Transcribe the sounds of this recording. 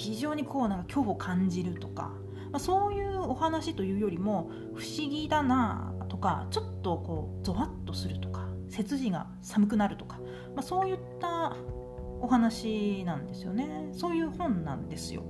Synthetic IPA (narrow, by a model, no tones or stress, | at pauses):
çiʑo̞ːɲ̟ikʰo̞ːnãŋkakʲo̞ːβokʰãɲ̟d͡ʑiɾɯ̟t̪o̞ka̰ | maso̞ːjɯ̟ːo̞hanaɕit̪o̞jɯ̟ːjo̞ɾʲimo̞ | ɸɯ̟̥ɕiɡʲid̪ana̰t̪o̞ka̰t͡ɕo̞t̪ːo̞ko̞ːd͡zo̞βat̪ːo̞sɨɾɯ̟t̪o̞̥kḁse̞t͡sɨʑiɡa̰ | samɯ̟k̬ɯ̟naɾɯ̟t̪o̞̥kḁ | maso̞ːjɯ̟t̪ːa | o̞ɦanaɕinãnd̪e̞sɨjo̞ne̞so̞ːjɯ̟ːhõ̞nnã̰nd̪e̞sɨjo̞̰